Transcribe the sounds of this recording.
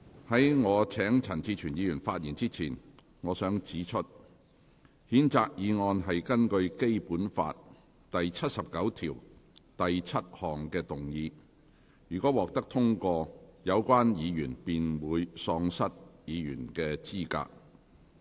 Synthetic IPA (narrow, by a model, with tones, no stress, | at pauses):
hɐ˨˥jŋɔː˨˧t͡sʰɛː˨˥ŋt͡sʰɐ˨˩nt͡sʰiː˧t͡ʃʰyː˨˩njiː˨˧jyː˨˩nfaː˧t̚jiː˨˩nt͡siː˥t͡sʰiː˨˩n | ŋɔː˨˧sœː˨˥ŋt͡siː˨˥t͡ʃʰɵ˥t̚ | hiː˨˥nt͡saː˧k̚jiː˨˧ŋɔː˧nɦɐ˨jkɐ˥nkɵ˧ɥke˥jpuː˨˥nfa̰ː˧t̚ | t̪ɐ˨jt͡sʰɐ˥t̚sɐ˨p̚kɐ˨˥wt̪ʰiː˨˩wt̪ɐ˨jt͡sʰɐ˥t̚hɔː˨ŋkɛː˧t̪ʊ˨ŋjiː˨˧ | jyː˨˩kɔː˨˥wɔː˨k̚t̪ɐ˥k̚t̪ʰʊ˥ŋkɔː˧jɐ˨˧wkʷaː˥njiː˨˧jyː˨˩npiː˨nwuː˨˧jsɔː˧ŋsɐ˥t̚jiː˨˧jyː˨˩nkɛː˧t͡siː˥ka̰ː˧k̚